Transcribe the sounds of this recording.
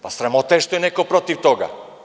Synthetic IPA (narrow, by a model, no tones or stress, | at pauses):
pasɾamɔt̪ɛɛʃt̪ɔɛnɛkopɾɔt̪ift̪ɔɡa̰